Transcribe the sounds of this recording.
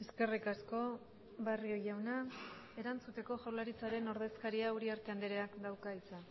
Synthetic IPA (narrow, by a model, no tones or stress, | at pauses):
eske̞rikasko̞ | βario̞jawnae̞ɾant͡sut̪e̞ko̞ʝolaɾit͡saɾe̞no̞ɾð̞e̞skaɾiauɾiaɾt̪e̞and̪eɾeakd̪awkaisa